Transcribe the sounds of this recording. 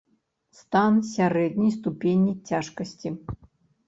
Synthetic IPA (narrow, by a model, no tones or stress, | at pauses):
st̪ansʲaɾɛd̪̚ʲnʲijst̪upʲenʲːit͡sʲaʂkɐsʲt͡sʲi